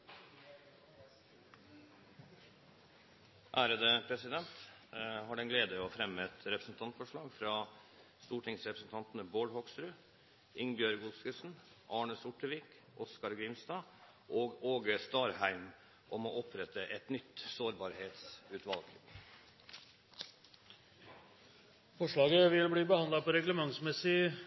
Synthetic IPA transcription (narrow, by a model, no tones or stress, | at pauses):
ʔæːɾəd̪əpʰɾɛsɪd̪ɛnt̪hɑːɖɛnɡleːd̪əoːfɾɛmːəɛt̪ɾɛpɾəsnt̪ʰɑnt̪fɔʂɭɑːɡfɾɑː | st̪uːʈʰɪŋsɾɛpɾəsn̩t̪ʰɑnt̪n̩əboːɽhɔɡsɾʉː | ʔɪŋbjøːɾɡʊlskəsn̩ | ʔɑːɳəsʊʈːəʋiːk | ʔɔskɑɾɡɾɪmst̪ɑː | ʔoːɡoːɡəst̪ɑːɾhæɪm | ʔɔmoːɔpʰɾɛt̪ːəʔɛt̪nʏt̪soːɾbɑːɾheːt̪sʉːt̪ʋɑlɡ | fɔʂɭɑːɡəʋɪlb̪iːbəhɑnd̪lɑpɔɾɛɡləmɑŋsmɛsɪ